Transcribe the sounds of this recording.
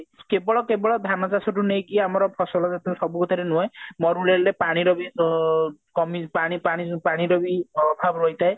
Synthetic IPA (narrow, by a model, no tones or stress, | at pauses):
kebɔɭɔkebɔɭɔd̪ʱanɔt͡ʃasɔʈunejkiamɔɾɔpʰɔsɔlɔd͡ʒat̪usɔbukɔt̪ʰaɾenuajmɔɾulelɾepaɽ̃iɾɔbi | kɔmipaɽ̃ipaɽ̃ipaɽ̃iɾɔbiɔbʱabɾoit̪ae